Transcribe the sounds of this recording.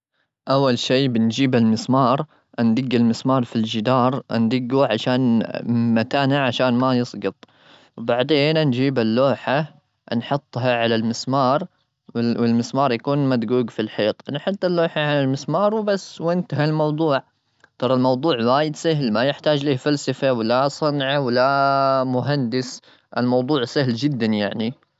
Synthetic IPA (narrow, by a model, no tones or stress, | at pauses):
ʔawːalʃiːbɪnd͡ʒiːbalmɪsmɑːɾˤ | ʔand̪ɪɡːalmɪsmɑːɾˤfild͡ʒɪd̪ɑːɾˤʔa̰nd̪ɪɡːuʕaʃaːnmat̪aːnaʕaʃaːnmajɨsˤɡɨt̪ˤ | wbaʕd̪eːnnd͡ʒiːbalːoːħa | nħʊt̪ˤːɦaʕalalmɪsmɑːɾˤ | wɪwɪlmɪsmɑːɾˤjakuːnmad̪ɡuːɡfilħiːt̪ˤnħʊt̪ˤːɪlːoːħaʕalalmɪsmɑːɾˤwbasːwɪnt̪aɦalmɑwd̪ˤuːʕ | t̪ˤɑɾˤɑlmɑwd̪ˤuːʕwaːjɪd̪sahlmajɪħt̪aːd͡ʒliːfalsafawɪlːasˤɑnʕawɪlːamʊɦand̪ɪs | ʔɪlmɑwd̪ˤuːʕsahld͡ʒɪd̪ːanjaʕni